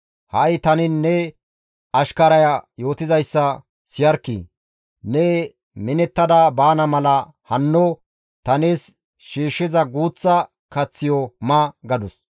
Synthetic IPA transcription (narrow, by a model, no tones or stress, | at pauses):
hɐjt̪ɐnɪnːɛ | ɐʃkɐɾɐjajo̞ːt̪ɪzɐjsːɐ | sɪjɐɾkːḭ | nɛ | mɪnɛt̪ːɐd̪abaːnɐmɐlɐ | hɐnːɔ | t̪ɐneːs | ʃiːʃːɪzɐɡuːt͡sːɐ | kɐt͡sːɪjɔmɐɡɐd̪ʊs